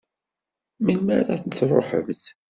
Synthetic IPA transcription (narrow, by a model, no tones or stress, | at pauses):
milmæɾæθənɾˤo̰ħə̰mθ